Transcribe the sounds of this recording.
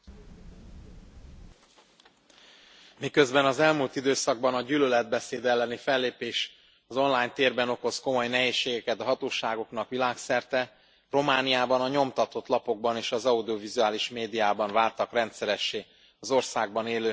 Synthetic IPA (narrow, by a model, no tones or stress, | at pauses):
mikø̞zbɛnɒzɛlmult̪id̪øːsɒɡ̚bɒnɒɟyːlølɛd̪̚bɛseːd̪ɛlːɛnifɛlːeːpeːʃ | ɒzo̞nlaːjɲt̪eːrbɛno̞ko̞sko̞mo̞jnɛɦeːʃːeːɡɛkɛt̪ɒɦɒt̪oːʃaːɡo̞knɒkʋilaːksɛrt̪ɛ | ro̞maːnijaːbɒnɒɲo̞mt̪ɒt̪o̞t̪lɒpo̞ɡ̚bɒneːʃɒzɒud̪io̞vizuaːliʃmeːd̪ijaːbɒɱvaːrt̪ɒkrɛnt̪sɛɾɛʃːeː | ɒzo̞rsaːɡ̚bɒneːløː